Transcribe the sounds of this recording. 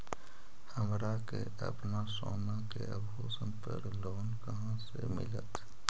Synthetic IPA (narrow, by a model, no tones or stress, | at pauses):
həmɾake | ə̰pnasoːnakeəbɦoːsənpəɾloːnkəɦãsemɪ̰lət̪